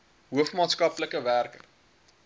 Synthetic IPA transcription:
ɦuəfmɑːtskɐpləkəværkə̰r

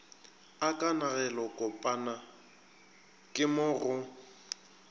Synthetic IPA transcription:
akʼanaɣɛlɔkʼɔpʼana | kʼɪmʊrʊ

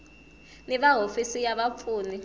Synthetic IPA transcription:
niɓaɦofisijaɓap̪fʰuːni

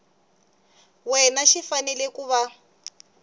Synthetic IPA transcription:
wɛnaʃifanɛlɛkuːβa

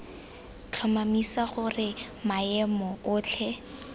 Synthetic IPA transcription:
t͡ɬʰamamisaχʊrɪ | maɛmɔʊːt͡ɬʰɛ

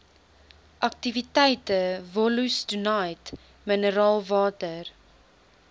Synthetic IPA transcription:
ʔɐk̚tivitɛjtəvɔlusdunɐjt | mənəɾɑːlˠvɑːtər

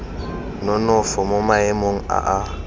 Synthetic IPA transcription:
nɔnɔfɔmomaɛmoŋ̩a̰ʔa

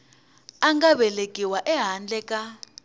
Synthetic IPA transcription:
aŋɡaβɛlekʼiwaʔɛɦand͡ɮɛkʼa

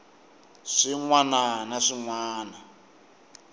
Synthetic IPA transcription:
ʂiŋwananaʂiŋwaːna

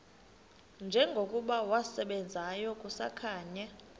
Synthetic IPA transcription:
nd͡ʒʱɛŋɡʱokʼuɓawasɛɓɛnd͡zʱajɔkʼusa̰kʰaːɲɛ

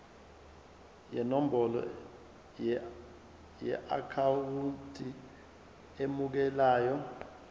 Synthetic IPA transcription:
jɛnom̩bɔlɔ̰ | jɛ̰ʔa̰kʰawuntʰʼi | emuk̬ɛlaːjɔ

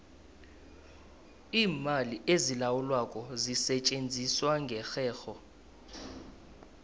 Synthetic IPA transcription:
iːmaliʔezilawulwakʼɔzisɛt͡ʃʼend͡zʱiswaŋɡʱɛxɛːxɔ

